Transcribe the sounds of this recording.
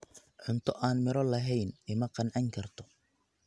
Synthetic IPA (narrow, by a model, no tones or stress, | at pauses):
ʕʊnt̪ʰɔʔaːnmɪɾɔlɐɦɛjnɪmɐqɑnʕɑŋkʰɐrt̪ʰɔ̥